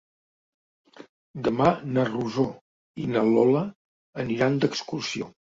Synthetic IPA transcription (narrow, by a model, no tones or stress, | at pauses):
d̪əmanəruzo | inəlɔləː | niɾand̪əkskursio